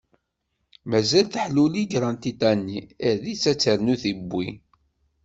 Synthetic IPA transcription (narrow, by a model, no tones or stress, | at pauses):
mæzælθəħluliɡɾˤɑnt̪it̪ænːiəɾðit͡sːæt͡sːəɾnuθibʷːi